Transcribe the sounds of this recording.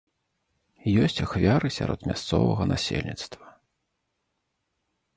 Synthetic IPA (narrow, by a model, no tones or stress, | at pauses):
jɔsʲt͡sʲaxvʲaɾɨsʲaɾɔt̪mʲast̪sɔvɐɣɐnasʲḛlʲnʲit̪st̪vɐ